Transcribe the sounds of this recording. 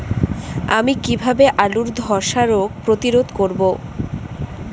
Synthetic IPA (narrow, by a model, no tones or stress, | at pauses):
amikibʱabeʔaluɾd̪ʱɔɾʃaɾok̚pɾot̪iɾod̪ʱkoɾbo